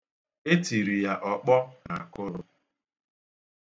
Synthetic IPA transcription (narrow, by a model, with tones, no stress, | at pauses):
e˦ti˨ɾi˨ja˦ʔɔ˨k͡pɔ˦na˨a˨kʊ˦ɾʊ˦